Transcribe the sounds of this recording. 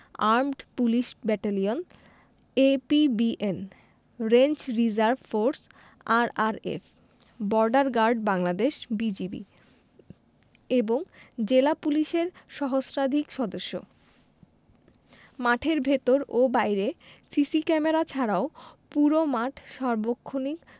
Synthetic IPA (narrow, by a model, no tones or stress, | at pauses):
aɾmɖpuliʃbɛʈalion | epibiʔen | ɾent͡ɕɾid͡ʑaɾbfoɾs | aɾaɾḛf | bɔɾɖaɾɡaɾɖbaŋlad̪eʃbid͡ʑibḭ | eboŋd͡ʑelapuliʃeɾʃɔɦosɾad̪ʱikʃɔd̪oʃːo̰ | maʈʰeɾbʱet̪oɾobajɾesisikɛmeɾat͡ɕʰaɾaopuɾomaʈʰʃɔɾbokʰːonik